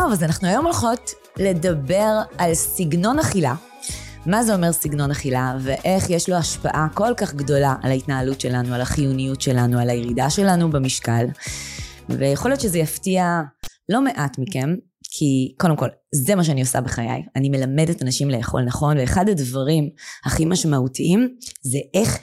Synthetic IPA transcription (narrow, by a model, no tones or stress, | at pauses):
tovazanaχnuajo̞molχo̞t | le̞dɐbeʁalsiɡno̞naχila | mazeo̞me̞ʁsiɡno̞naχilaveʔeχjeʃloaʃpa̰ʔako̞lkaχɡdo̞laʔalaitnaːlutʃe̞lanualaχijunijutʃe̞lanualajeʁidaʃe̞lanubemiʃkal | vejaχolijott͡ʃezejaftialo̞me̞ʔatmiken | kʰikodemko̞lzemaʃ̬eanio̞sa̰beχaja̰janime̞lamedetanaʃimle̞jaχo̞̰lnaχo̞nveːχadadvaʁimhaχimaʃmautʰiʔimzeʔeχ